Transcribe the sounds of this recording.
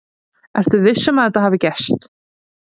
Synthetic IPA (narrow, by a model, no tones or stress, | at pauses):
ɛɾ̥t̪ʏvɪsːɛmaðɛt̪aɦaːvɪcɛst̪